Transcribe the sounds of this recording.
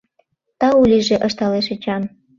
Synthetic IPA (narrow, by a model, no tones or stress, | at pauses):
t̪ɑulʲiʒeʔəʃt̪ɑleʃə̆t͡ɕɑn